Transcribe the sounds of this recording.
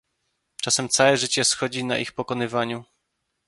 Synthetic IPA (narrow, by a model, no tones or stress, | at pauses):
t͡ʂasɛmt̪sawɛʐɘt͡ɕɛsxɔd͡ʑina̰ʔixpɔkɔnɘvaɲu